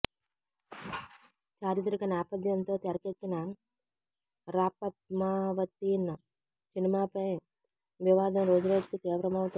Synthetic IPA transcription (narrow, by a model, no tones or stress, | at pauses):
t͡ʃaːɾit̪ɾikɐnaːpɐd̪jɐnt̪o̞ːt̪ɛɾɐkekːinɐ | ɾaːpɐt̪̚maːʋɐt̪ːinːɐ | sinimaːpɐj | ʋiʋaːd̪ɐmɾoːd͡ʒuɾoːd͡ʒikit̪iːʋɾɐmɐʋut̪u